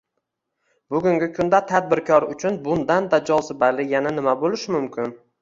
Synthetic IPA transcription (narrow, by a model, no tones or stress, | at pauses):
bʊɡʊŋɡʲɪkʰʊnd̪at̪ʰad̪̚bɪɾkʰɒɾʊt͡ʃʰʊnbʊnd̪and̪ad͡ʒɒsɪbalɪjananɪmabolɪʃmʊmkʲʰɪn